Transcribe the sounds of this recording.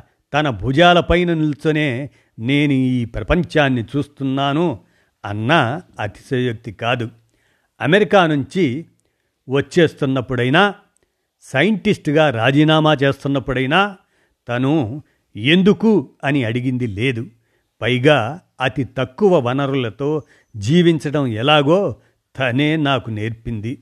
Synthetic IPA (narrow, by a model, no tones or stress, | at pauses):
t̪ɐnɐbʱuːd͡ʒaːlɐpɐjnɐnult͡sune̞ː | ne̞ːnuiːpɾɐpɐɲt͡ʃaːnːit͡ʃuːst̪unːaːnu | ɐ̰nːaɐt̪i̥sɐjɐk̚t̪ikaːd̪u | ɐmeɾikaːnuɲt͡ʃi | ʋɐt͡ʃːe̞ːst̪unːɐpːuɽɐjnaː | sɐjɐɳʈisʈɡaːɾaːd͡ʒiːnaːmaːt͡ʃe̞ːst̪unːɐpːuɽɐjnaː | t̪ɐnu | e̞nd̪ukuɐniɐɽiɡind̪ile̞ːd̪u | pɐjɡaː | ɐt̪it̪ɐkːuʋɐʋɐnɐɾulɐt̪o̞ː | d͡ʒiːʋiɲt͡ʃɐɽɐmɛlaːɡoː | t̪ʰɐneːnaːkune̞ːɾpind̪i